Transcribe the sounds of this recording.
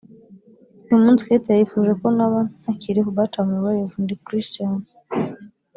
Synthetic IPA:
numunzi̥ketajifuʒekonaβanhakiɾikuβatamuwajevundikɾistana

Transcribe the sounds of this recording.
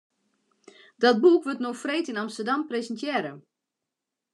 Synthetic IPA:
dɔt̚bukʋøtnoxfreːtinamstərdampresəntjɛːɾə

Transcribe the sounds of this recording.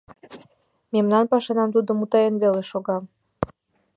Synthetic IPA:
memnɑnpɑʃenɑmt̪̬ud̪əmut̪ɑjenβeleʃoɣɑm

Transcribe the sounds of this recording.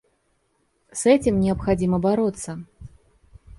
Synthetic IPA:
sɛt͡sʲimnʲɪɐpxad͡zʲimɐbaɾɔt̪sːɐ

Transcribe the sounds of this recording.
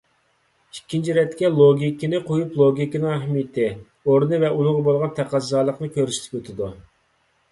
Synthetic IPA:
ikʲːint͡ʃʰiɾɛt̪kʲɛlˠoɡʲikʲinɪqʰojuplˠoɡʲikʲinɨŋɛhmit̪ʰɪ | oɾnɨvɛʔunɨŋʁɑbolˠʁɑnt̪ʰæqɑzːɑːlˠəqnɨkʲøɾsɪ̥t̪ʰɪ̥pøt̪ʰɪd̪u

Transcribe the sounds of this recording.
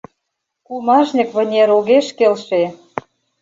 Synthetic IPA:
kulmɑʒnʲĭkβə̆nʲeɾoɣeʃkelʃe

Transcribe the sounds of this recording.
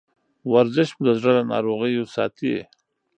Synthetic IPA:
waɾzɪʃmud̪əzɽad̪anɑ̰ɾoɣəjosɑ̰ːt̪iḛ

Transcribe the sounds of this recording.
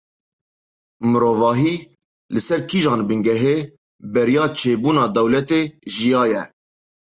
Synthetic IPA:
mɨɾoːvɑːɦiː | lɨsɛɾkʰiːʒɑːnbɨŋɡɛɦeː | bɛɾjɑːt͡ʃʰeːbuːnɑːd̪ɛwlɛt̪eːʒijɑːjɛ

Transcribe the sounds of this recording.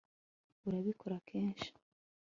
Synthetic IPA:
uɾaβikʰo̞ɾakʰeːnʃi̥

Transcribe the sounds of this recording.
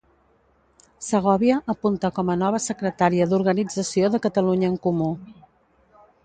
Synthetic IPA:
səɣ̞ɔβiəʔəpunt̪əkɔmənɔβ̞əsəkɾət̪aɾiəðuɾɣənid͡zəsioðəkət̪əluɲəːŋkumu

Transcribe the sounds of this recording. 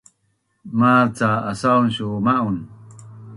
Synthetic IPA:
mat͡saːsaunɕumaʔun

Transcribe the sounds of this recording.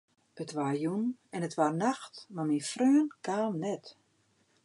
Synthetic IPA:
ətʋarjunɛnətʋarnaxtmaminfrøːənkʰaːlˠnɛt

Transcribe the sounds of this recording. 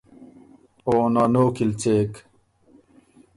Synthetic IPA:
oːnanoːkilt͡ɕeːk

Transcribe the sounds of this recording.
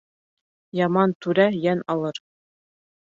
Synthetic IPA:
jɑmɑnt̪ʉɾæjænɑlˠɤɾ

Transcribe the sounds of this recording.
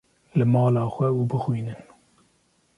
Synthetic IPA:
lɨmɑːlɑːxʷɛuːbɨxwiːnɨn

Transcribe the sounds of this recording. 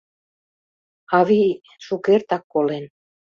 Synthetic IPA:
ɑβi | ʃukert̪ɑkːolen

